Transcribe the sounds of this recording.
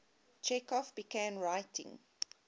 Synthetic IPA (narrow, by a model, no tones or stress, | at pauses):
t͡ʃɛkɔfb̥iɡæ̃nɹaɪtʰɪ̰̃ŋ